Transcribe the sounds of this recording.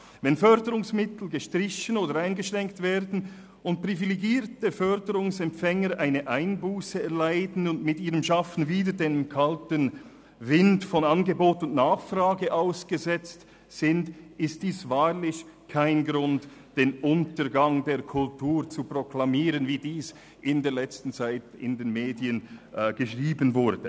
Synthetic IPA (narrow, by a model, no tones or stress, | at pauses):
vɛnfœɾdəʁʊŋsmɪtl̩ɡəʃtʁɪçənoːdəɾaɪnɡəʃʁɛŋktv̥eːɾdn̩ | ʊnt̚pʁ̥iviliɡiːɾtəfœɾdəʁʊŋsɛmpfɛŋəɾʔaɪnəʔaɪnbuːsəɛlaɪdn̩ʊntmɪtiːʁəmʃafn̩viːdəɾdenkʰaltən | vɪndfɔnanɡəboːtʊntnaːχfraːɡəʔaʊsɡ̥əzɛt͡st | z̥ɪndɪstd̥iːsvaːʁlɪçkʰaɪnɡʁʊntd̥eːnʔʊntəɾɡaŋdeːɐkʰʊltʰuːɾt͡suproklamiːʁənviːdiːs | ʔɪndeːɐlɛt͡stn̩t͡saɪtɪ̰ndeːnmeːdiənɡ̥əʃʁiːbənvʊɾd̥ə